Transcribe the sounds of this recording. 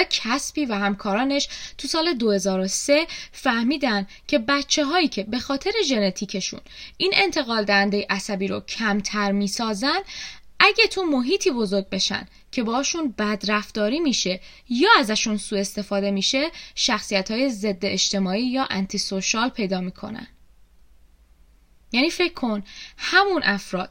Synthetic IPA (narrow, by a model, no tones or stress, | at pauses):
cʰæsbiːvæhæmkʰɒːɾɒːne̞ʃt̪ʰusɒːle̞d̪o̞he̞zɒːɾose̞fæhmiːd̪æn | cʰe̞bæt̪t͡ʃʰːe̞ɦɒːiːcʰe̞be̞xɒːt̪ʰe̞ɾe̞ʒe̞ne̞t̪ʰiːcʰe̞ʃṵniːnʔe̞nt̪ʰe̞ɣɒːld̪æhænd̪ejeʔæsæbiːɾocʰæmt̪ʰæɾmiːsɒːzænd̪ʔæɟæt̪ʰumo̞ɦiːt̪ʰiːbo̞zo̞ɾɟ̚be̞ʃæ̰nd̪ | cʰe̞bɒːʃunbæd̪ɾæft̪ɒːɾiːmiʃe̞ | jɒːæzæʃunsuːe̞st̪e̞fɒːd̪e̞miːʃe̞ʃæxsijæt̪hɒːje̞ze̞d̪ːeːʃt̪e̞mɒːiːjɒːʔænt̪ʰisoʃɒːlpʰe̞jd̪ɒːmiːkʰo̞̰næ̰n̥ | jæniːfe̞cʰkʰːo̞nhæmunʔæfɾɒ̰ːd̪̥̚